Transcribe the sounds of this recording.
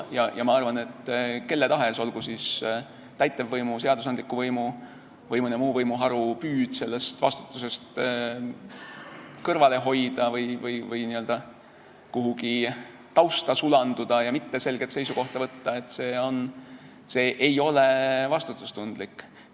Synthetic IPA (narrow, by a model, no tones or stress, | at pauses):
jɑjʔɑmɑɑrvɑne̞t̪ːke̞lːet̪ɑɦe̞so̞lɡ̥usiːs | t̪æjt̪ˑːevːɤjmuse̞ɑd̪̥us̬ɑnd̪likːˑuvɤjmu | vɤjmunemuːvɤjmuɦɑɾupyːd̪̥se̞lːe̞st̪vɑ̰st̪u̥t̪ːˑuse̞st̪ | kɤrvɑle̞ɦo̞jd̪̥ɑvɤjvɯjvɯjniø̞ld̪̥ɑ | kuɦuɡi | t̪ɑwst̪ɑsulɑnd̪̥ud̪̥ɑjɑmit̪ːe̞se̞lɡ̥e̞t̪se̞jsuko̞ht̪ɑvɤt̪ːɑe̞t̪ːse̞ːo̞n | se̞ːʔejo̞le̞vɑst̪ut̪ːˑu̥st̪und̪̥likːˑ